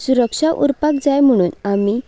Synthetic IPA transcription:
suɾəkʂaʔuɾpakd͡zajm̤əɽ̃uːnami

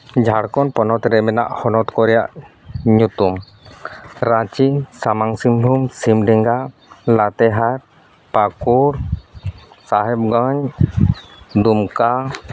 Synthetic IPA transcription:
d͡ʒʱaɽkɔnpɔnɔt̪ɾɛmɛna̰ʔhɔnɔt̪kɔɾɛjaʔ | ɲut̪um | ɾãt͡ʃisamaŋsimbʱumsimɖɛŋɡa | lat̪ɛɦaɾ | pakuɾ | saɦɛp̚ɡaɲ | d̪umka

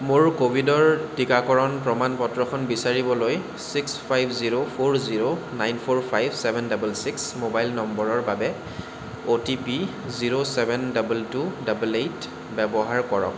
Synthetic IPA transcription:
mʊɹkobʱidɔɹtikakɔɹɔnpɹɔmanpɔtɹɔkʰɔnbisaɹibɔloj | sikspʰajbʰziɹopʰoɹziɹonajnpʰoɹpʰajbʱsɛbʱɛndabulsiksmobajlnɔmbɔɹɔɹbabɛ | otipi | ziɹosɛbʱɛndɔbultudabulejt | bɛbɔɦaɹkɔɹɔ̰k̚

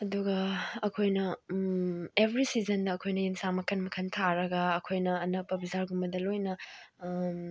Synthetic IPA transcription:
ɐduɡɐːkʰojnɐ | ebɾisizɐndɐːkʰojnɐjinsaŋmɐkʰɐnmɐkʰɐntʰaɾɐɡɐːkʰojnɐːnɐk̚pɐbizaɾɡumbɐdɐlojnɐ

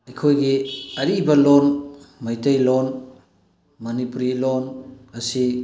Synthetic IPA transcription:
ɐjkʰojɡiɐɾibɐlonmajtejlon | mɐnipuɾilonɐsi

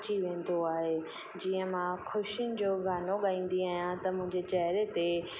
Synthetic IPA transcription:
t͡ɕiʋẽːn̆d̪oaːɦe | d͡ʑiːə̃mãkʰʊʃʊnɪ̆d͡ʑoːɡʱaːnoɠaːĩːn̆d̪iaːɦijãt̪ɐmʊ̃ɦɪ̃ɲd͡ʑet͡ɕɐɦɾet̪e

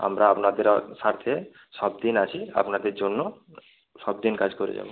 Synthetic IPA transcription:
a̰mɾaapnad̪eɾsaɾt̪ʰe | ʃɔb̚d̪inat͡ɕʰia̰pnad̪eɾd͡ʒonːo | ʃɔbd̪inkad͡ʒkɔɾḛd͡ʒa̰bo

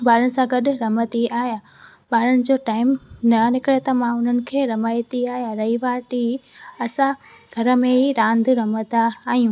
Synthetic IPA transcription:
bʱaːɾənɪ̆sãɡɐɗʊɾɐmət̪iaːɦja | bʱaːɾənɪ̆d͡ʑoːʈaːɪmnɐnɪkɽet̪ɐmãʊn̤ənɪ̆kʰeːɾɐmaːjt̪iaːɦijaɾɐɦiʋaːʈiɐsã | ɡʱɐɾə̆mẽɦiɾãːnd̪ʱɾɐmət̪aːɦijũː

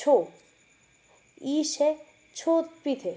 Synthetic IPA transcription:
o | iʃe | t͡ɕʰot̪̚pɾit̪ʰe

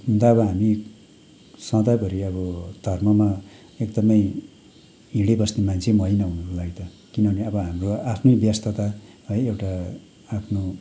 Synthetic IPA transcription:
ɦund̪aʌβʌɦami | sãd̪apʌɾiʌβʌd̪ʱʌrmʌma | ekd̪ʌmʌj | iɽebʌsnemant͡sʰemʌjnʌɦunʌkolaɡt̪ʌ | kinʌneʌbʌɦamroapʰnʌbjast̪ʰʌt̪a | ʌjewʈa | apʰno

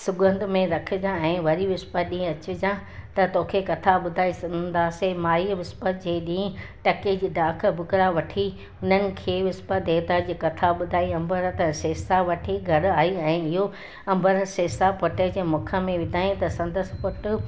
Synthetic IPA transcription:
sʊɡə̃nd̪ʱmẽɾɐkʰɪ̆d͡ʑãɛ̃ːʋɐɾiʋɪspəɗĩːɐt͡ɕɪ̆d͡ʑãt̪ɐt̪oːkʰekɐt̪ʰaɓʊd̪ʱaːisɐ̃nd̪aːsemaːiʋɪspətd͡ʑeːɗĩː | ʈɐked͡ʑiːɖãːkʰə̆bʱʊkɾaʋɐʈʰi | ʊn̤ənɪ̆kʰeːʋɪspət̪̚d̪eːt̪aːd͡ʑiːkɐt̪ʰaɓʊd̪ʱaːiɐ̃mbəɾət̪ɛ̃seːsaʋɐʈʰiɡʱɐɾaːiɛ̃ːɪɦo | ɐ̃mbəɾəseːsapʊʈəd͡ʑeːmʊkʰə̆mẽʋɪd̪ʱaːĩt̪ɐsɐ̃nd̪əs̆pʊʈ

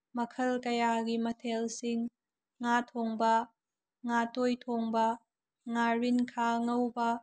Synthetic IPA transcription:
mɐkʰɐlkɐjaɡimɐtʰelsiŋː | atʰoŋbɐ | ŋatojtʰoŋbɐ | ŋaɾinkʰaŋɐwbɐ

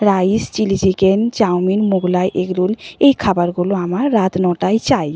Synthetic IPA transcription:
ɾaist͡ɕilid͡ʑikent͡ɕawminmuɡlajʔeɡɾulejkʰabaɾɡuloamaɾːat̪nɔʈajt͡ɕaj

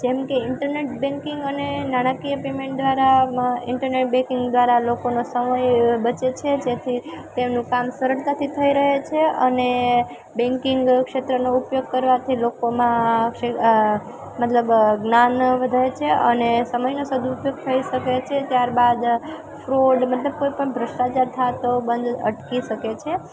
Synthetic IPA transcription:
d͡ʒemkeɪɳʈəɾneʈbɛ̃ŋkɪŋɡənenaɽ̃akijəpemẽɳʈ̚d̪ʋaɾaɪɳʈəɾneʈ̚bɛ̃kɪŋɡd̪ʋaɾalokonosəməjbət͡ʃet͡ʃʰed͡ʒet̪ʰit̪emnũkamsəɾəɽt̪at̪ʰit̪ʰəiɾəɦet͡ʃʰeəne | bɛ̃ŋkɪŋɡkʃet̪ɾənoupjoɡ̚kəɾʋat̪ʰilokomãkʂe | mət̪ləbɡnanʋəd̪ʱaet͡ʃʰeʔənesəməjnosəd̪ʱuːpjoɡ̚t̪ʰəiʃəket͡ʃʰet̪jaɾbad̪ | fɾoɖmət̪ləb̚koipəɳbʱɾəsʈat͡ʃaɾt̪ʰat̪obənd̪ə̰ʈkiʃəket͡ʃʰe

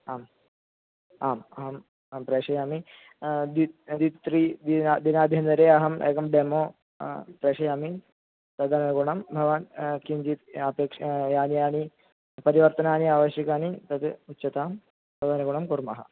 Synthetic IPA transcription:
aːm | aːmɐɦɐm | pɾeːʂɐjaːmi | d̪id̪it̪ɾiːd̪id̪inaːd̪ʱjɐnd̪ɐɾeːɐɦɐmḛːkɐmɖeːmoː | pɾeːʂɐjaːmi | t̪ɐd̪ɐnɐnɐɡuɳɐmbʱɐʋaːnkind͡ʒiːt̪ɐpeːkʂjaːnijaːni | pɐɾiʋɐɾt̪ɐnaːniaːʋɐʃjɐkaːnit̪ɐt̪utːɕɐt̪aːm | sɐd̪anɐɡuɳɐmkuɾmɐ̰ɦɐ̰

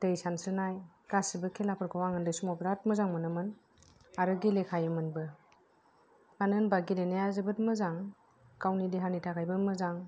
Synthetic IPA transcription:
tɯjsansɯnaj | kasibɯkʰelapʰɯɾkʰɯwaŋɯndɯjsumɔpɾat̚mɯzaŋmɯnɯmɯn | aɾɯɡilekʰajɯmɯnbɯ | anɯnbaɡilenajazɯbɯt̚mɯzaŋ | kawnidiɦanitʰaɡajbɯmɯzaŋ

